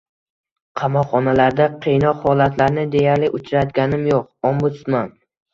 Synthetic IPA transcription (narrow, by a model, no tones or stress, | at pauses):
qʰɑmɒqχɒnalaɾd̪aqʰejnɒqhɒlat̪ʰlaɾnɪd̪e̞jaɾlɪʔʊt͡ʃʰɾat̪ɡʲanɪmjoq̚ombʊt̪sman